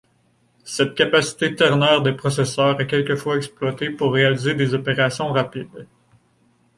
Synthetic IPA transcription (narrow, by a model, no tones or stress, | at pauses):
sɛt̪̚kʲapasi̥t̪et̪ɛʁnœːʁd̪epχɔsɛsœːʁɛkʲɛlkʲəfwaɛksplwat̪epuʁːealized̪ezɔpeʁasjɔ̃ʁapid̪